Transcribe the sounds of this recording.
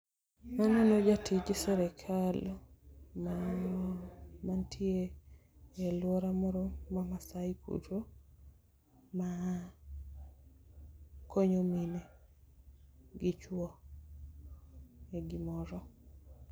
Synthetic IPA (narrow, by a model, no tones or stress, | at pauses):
manɔnod͡ʒatʰɪd͡ʒɪsɛɾɛkʰal | ma | mantʰjeː | lwɔɾamɔɾɔmamasaikʰṵto | ma | kʰoɲomine | ɡɪt͡ʃwɔ | eɡɪmɔɾɔ